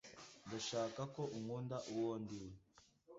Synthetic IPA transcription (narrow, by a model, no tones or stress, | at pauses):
ndaʃaːkako̞ʔumŋuːndaʔuwoːndiwe